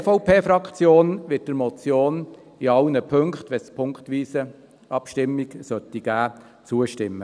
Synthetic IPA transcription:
fɔʊpʰeːfɾɑkχt͡sjoːnʋɪt̚dəɾmɔt͡sjoːn | iɑwnəpʰɵŋkχtʋɛspʰʊŋktʋiːsə | ɑpʃtɪmːiɡsœtːiɡ̥æː | t͡suːəʃtɪmːə

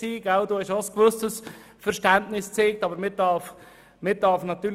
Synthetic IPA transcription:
iːɡaʊduːhɛʃoskʋøstəs | fɛɾʃtɛntnɪst͡seːk̚tɑːbəɾmɪdɑf | mɪd̥ɑɾfnɑt̪yːɾ

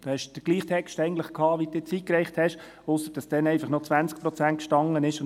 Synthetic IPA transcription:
d̥̪ohɛʃd̥əɡliːχt̪ʰɛkʃtɛɪɡən̩tləχkʰɑːʋid̥ɪt͡sikɾɛɪχthɛʃ | ʊsəɾd̥ɑsd̥ɛnɛɪfɑχnɔt͡sʋænt͡sk̚pɾɔt͡sænt̚kʃtɑŋənɪʃʊn

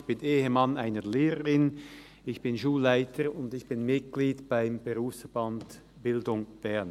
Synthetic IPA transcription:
çb̥ɪnʔeːhəmanaɪnəleːʁəʁɪn | ɪçb̥ɪnʃuːlːaɪtʰəɾʊndɪçb̥ɪnmɪt̚ɡ̥liːtb̥aɪmb̥eʁuːfsfɛband | b̥ɪldʊŋb̥ɛʁn

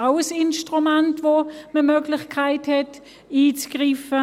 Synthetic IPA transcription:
aʊəsɪnʃtʁumantvoməmøːɡlɪχkʰaɪthɛt | iːt͡sɡ̥ʁiːfə

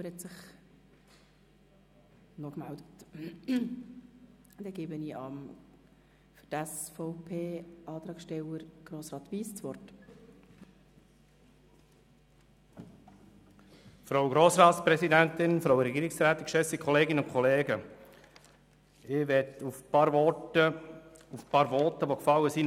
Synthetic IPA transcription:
əɾhɛtsɪχχ | nɔkmældət | d̥ɛɡeːbəniːʔɑm | fʏtæsfɔʊpʰeːɑːt̪ɾɑːkʃtɛwəɾɡ̥ɾoːsrɑːt̪ʋiːst͡sʋɔrt | fɾoʊɡɾoːsɾɑːt̪spɾɛsidænt̪ɪnfɾawɾɛɡiːɾɪksɾæːt̪ɪkʃɛsikʰɔleːɡɪnəʊnkʰɔleːɡə | ɪʋɛtufpɑːɾʋɔtə | ufpɑːɾʋɔtəʋokfɑlːəsi

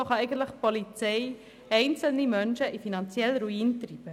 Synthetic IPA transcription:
ɔχɑɛɪɡən̩tləχpolit͡sɛɪ | ɛɪnt͡səl̩nimœnʃəʔifinɑnt͡sjɛlɾuiːntribə

